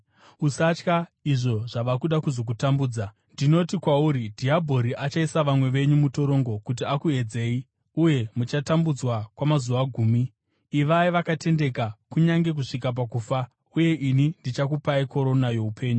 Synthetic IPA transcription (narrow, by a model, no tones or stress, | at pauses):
usat͡ʃkaiʐo̞ʐaʋakuɗakuzo̞k̬utambuːd͡za | ndino̞tikwauːɾidʱiabʱo̞ɾiʔat͡ʃaisaʋamwe̞ʋe̞ɲumuto̞ɾo̞ŋɡo̞kutiakue̞d͡ze̞ːi | uje̞mut͡ʃatambud͡zwakwamazuʋaɡʱuːmiː | ʋaiʋakate̞nde̞kakuɲaŋɡe̞k̬uʂik̬ap̬akuːfa | uje̞ʔinindit͡ʃakupaiko̞ɾo̞najo̞upʰe̞ːɲu